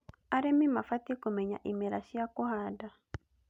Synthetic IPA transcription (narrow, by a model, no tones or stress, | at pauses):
aɾɛmimafatikumɛɲa̰ʔimɛɾaʃiakuhada